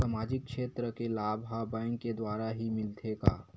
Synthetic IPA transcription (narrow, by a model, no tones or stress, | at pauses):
samaːd͡ʒɪkːʃeːt̪ɾəkelaːbɦabɛ̃ːŋkːed̪waːɾaɦimɪlt̪ʰeːɡa̰ː